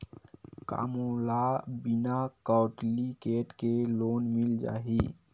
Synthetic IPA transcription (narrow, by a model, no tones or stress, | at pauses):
ka̰ːmolaːbɪnakaːʊʈlikeːʈkeloːnmɪld͡ʒa̰ːɦiː